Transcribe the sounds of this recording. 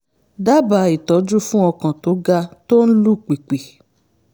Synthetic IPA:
da˦ba˨˦i˨tɔ˨˦d͡ʒu˦fũ˦ɔ˧kã˨to˨˦ɡa˧to˦n̩˦lu˦˨k͡pi˨k͡pe˨

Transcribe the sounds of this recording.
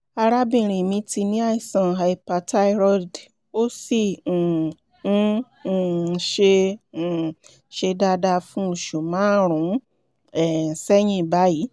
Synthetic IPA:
a˧ɾa˦bĩ˧˨ɾ̃ĩ˨mĩ˧˦ti˧nĩ˦a˦i˨sã˨ɦa˧i˧pa˧ta˦i˧ɾɔ˦d | o˦si˦˨˦ | ʃẽ˧˨ | ʃe˧da˧da˧fũ˦u˨ʃu˨mã˨˦ɾ̃ũ˨˦ | ɛ˨sɛ˦j̃ĩ˦˨ba˦ji˨˦

